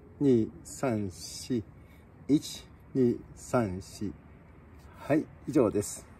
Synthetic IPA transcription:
ɲiːsãɰ̃ɕi | it͡ɕi̥ | ɲiːsãɰ̃ɕi | hai | iʑo̞ːd̪e̞sɨ̥

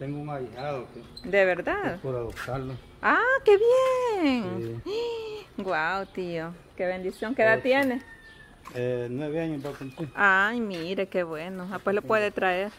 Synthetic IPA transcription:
t̪eŋɡomaɾiaðoked̪eβeɾd̪aðpoɾaosalo | akeβjeŋ | ɡwawt̪iokeβend̪isjoŋkeðat̪jene | enweβeaɲobakumpliɾajmiɾekeβwenoapweslopweðet̪ɾaeɾ

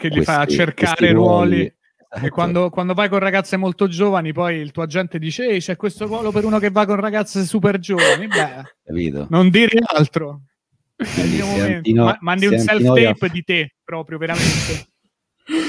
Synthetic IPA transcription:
kelːifat͡ʃːerkaːɾɾeɾwɔːli | ekːwand̪okwand̪ovajkonraɡat̪sːemolt̪od͡ʒoːvanipɔjilt̪uːad͡ʒːɛnt̪ed̪iːt͡ʃeeɛjt͡ʃɛkːwest̪oɾwɔːlopeɾuːnokevːajkonraɡat̪sːesuperd͡ʒoːvanibɛkapḭt̪o̰nond̪iːɾialt̪ɾo | aiomoment̪mamand̪iuɛlɛmpd̪it̪epːɾɔːpɾjoveɾament̪e

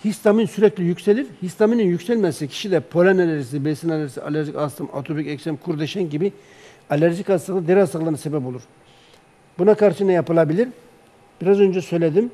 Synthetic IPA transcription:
hist̪ʰaminsyɾɛclʲijycʲselʲiɾhist̪ʰamininjycʲsɛlʲmɛsɛcʰi̥ʃid̪ɛpʰo̞lʲanalʲɛɾs̬ibesinalʲɛɾsia̰lʲæɾʒikast̪ɯma̰t̪ʰobicɛksɛmkʰuɾd̪ɛʃɛnɟibi | alʲæɾʒikasˠɯklˠad̪eɾasɯklˠanasebɛpo̞lˠuɾ̥ | bunakʰaɾʃɯnajapɯlˠabilʲiɾ | b̥iɾazø̞nd͡ʒɛsø̞jlʲed̪im

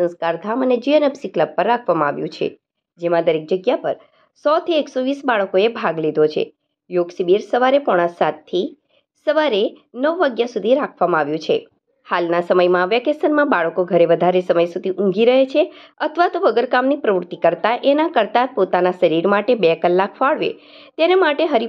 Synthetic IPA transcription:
sə̃nskaɾd̪ʱaməned͡ʒiənəpsikləb̚pəɾːakʰʋamãaʋjũt͡ʃʰḛ | d͡ʒemãd̪əɾek̚d͡ʒəɡjapəɾ | sɔt̪ʰieksoʋisbaɭəkoebʱaɡlid̪ʱot͡ʃʰḛ | joɡsibiɾsəʋaɾepɔɽ̃ãsat̪ʰːi | səʋaɾenəʋːaɡjasud̪ʱiɾakʰʋamãaʋjũt͡ʃʰḛ | halnasəməjmãːʋjakesəɾmãbaɭəkoɡʱəɾeʋəd̪ʱaɾesəməjsud̪ʱiʔũŋɡiɾəɦet͡ʃʰeət̪ʰʋat̪oʋəɡəɾkamnipɾəʋɾut̪ikəɾt̪aʔenakəɾt̪apot̪anasəɾiɽmaʈebekəlːakfaɭʋḛ | t̪enemaʈeɦəɾi

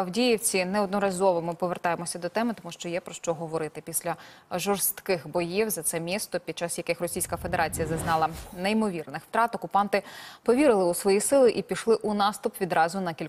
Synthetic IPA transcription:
ɐwdʲijiwt͡sʲinɛɔd̪nɔɾɐzɔʋɔmɪpɔʋert̪ɑjemɔsʲɐd̪ɔt̪ɛmɪt̪ɔmuʃt͡ʃɔjɛpɾɔʃt͡ʃɔɦɔʋɔɾɪt̪ɪpʲisʲlʲɐʒɔrst̪kɪxbɔjiwzɐt̪sɛmʲist̪ɔpʲid̪̚t͡ʃɑsjɐkɪxrɔsʲijsʲkɐfe̞d̪eɾʔɑt͡sʲijɐzɐznɑlˠɐneimɔʋʲirnɪxw̥t̪ɾɑt̪ɔkʊpɑnt̪ɪpɔʋʲiɾɪlˠɪusʋɔjisɪlˠɪʔipʲiʃlˠɪʔunɑst̪ʊpʋʲid̪ɾɑzʊnɐkʲilʲ

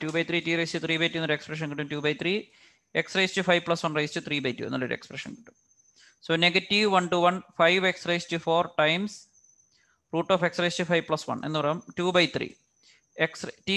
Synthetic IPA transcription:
tuːbɐjt̪ʰriːtiːrɐjstɨt̪ʰriːbɐjtːuenːɐoɾɨe̞kspreʂ̬ɐnkiʈːumtuːbɐjt̪ʰriː | e̞ksrɐjstufɐjʋpɭɐsʋɐɳrɐjst͡ɕut̪ʰriːbɐjtːṵːenːɐ̰lːɐoɾṵekspreʂɐ̰nki̥ʈːum | soːneɡɐtːiʋʋɐɳʈuʋɐɳfɐjʋeksrɐjstufoːrʈɐjms | fruːʈːoːfe̞ksrɐjstufɐjʋpɭɐsʋɐ̰ɳe̞̰nːɨpɐrɐjumtuːbɐjt̪ʰrḭː | ekstː

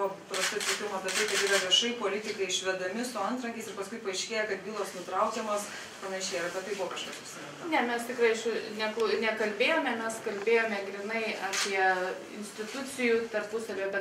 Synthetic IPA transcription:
ɔpɾɐst̪ʊɪt̪ʲɪkʲɪmɐpʲɛt̪ɐɪkɐt̪iːɾɐʋʲiɛʃɐɪpoːlʲɪt̪ʲɪkɐɪɪʃʲʋʲɛd̪ɐmʲɪsʊɐnt̪ɾɐŋʲkʲɛɪsɪrpɐskʊɪpɐɪʃʲkʲeːjɛkɐt̪bʲiːlˠoːsnʊt̪ɾɐʊkʲɛmoːs | pɐnɐʃʲɛɪɾɐpʲɛt̪ɐɪbʊʋɔkɐʃkɑːpɪpʲsʲɪnʲɛnt̪ɐnʲɛmʲɛst̪ʲɪkrɐɪʃʊnʲɛkˠnʲɛkɐlʲbʲeːjoːmʲɛmʲɛskɐlʲbʲeːjoːmʲɛɡɾʲɪnɐɪɐːpʲiɛ | ɪ̰nʲsʲt̪ʲɪt̪ʊt͡sʲɪjut̪ɐrpʊsɐlʲoːjɛbʲɛt̪

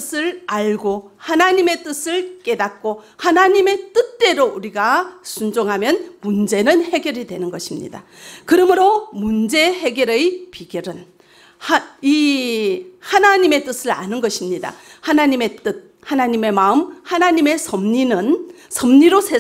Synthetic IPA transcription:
sʰɯɾaɭɡohanaɲime̞t͈ɯsʰɯɭk͈e̞dak̚k͈o | hanaɲime̞t͈ɯt̚t͈e̞ɾouɾiɡasʰund͡ʑoŋɦamjʌnmund͡ʑe̞nɯnhe̞ɡjʌɾidwe̞nɯnɡʌɕʰimɲḭda | kɯɾʌmɯɾomund͡ʑe̞he̞ɡjʌɾɯjpiɡjʌɾɯn | i | hanaɲime̞t͈ɯsʰɯɾa̰nɯnɡʌɕʰimɲida̰hanaɲime̞t͈ɯt̚ | hanaɲime̞maɯmhanaɲime̞sʰʌmɲinɯn | sʰʌmɲiɾosʰe

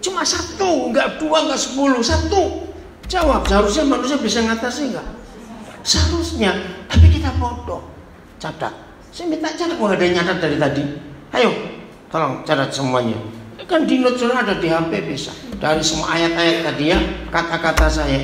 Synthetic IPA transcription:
t͡ʃumasat̪uŋɡaʔduaŋɡaʔsə̥pulusat̪u | d͡ʒawap̚səɦaɾʊsɲamanus̬ɲabisaŋat̪asiŋɡaʔ | səɦaɾʊsɲat̪apikit̪apɔdɔ | t͡ʃada̰t̚ | simit̪aʔt͡ʃadauŋadaɲadat̪̚daɾit̪adihajo | t̪olɔŋt͡ʃadat̪̚səmuaɲa̰kandinʊt̪̚suɾaːdadiɦampɛbisa̰daɾisəmua̰ʔajat̪ajat̪̚t̪adijakat̪akat̪asaja

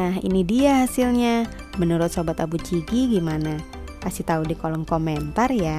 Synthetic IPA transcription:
naɦḭnidiaɦasilɲa | mənuɾʊt̪̚sobat̪abut͡ʃiɡiɡimana | kasɪht̪audikolɔŋkoment̪arja

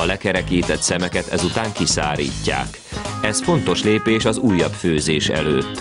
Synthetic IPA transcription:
ɒlɛkɛɾɛkiːt̪ɛt̪sɛmɛkɛt̪ɛzut̪aːŋkisa̰ːɾḭːcːa̰ːk | ɛsfo̞nt̪o̞ʃleːpeːʃɒzuːjːɒbføːzeːʃɛ̰løːt̪ː

